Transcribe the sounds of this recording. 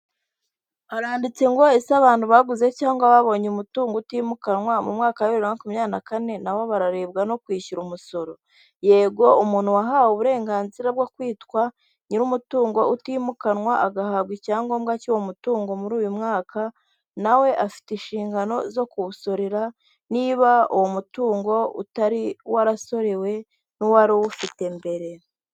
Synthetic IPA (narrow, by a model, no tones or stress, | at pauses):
aɾaːndit͡se̞ŋɡo̞esaβaːn̥tuβaɡuze̞caːŋɡaβaβo̞ɲumutuːŋɡoutiːmukanŋwamumŋaːkaiɾiɾaŋakumɲaːnakane̞nawoβaɾaɾe̞b̚ɡano̞kwiːçuɾumuso̞ɾo̞ | je̞ːbɡo̞umuːn̥huwaɦaːwuβuɾe̞ːŋɡaːnziɾab̚ɡokwiːtkwa | ɲiɾumutuːŋɡo̞utiːmukanwaʔaɡahaβɡicaːŋɡo̞ːmɡacuwomutuːŋɡo̞muɾuːjumŋaːka | nawe̞ʔafi̥tenʃiːŋɡano̞zo̞kuβuso̞ɾeɾa | niβaṵwomutuːŋɡo̞ṵtaɾiwaɾaso̞ɾe̞we̞ | nuwaɾuwufite̞mbe̞ɾe̞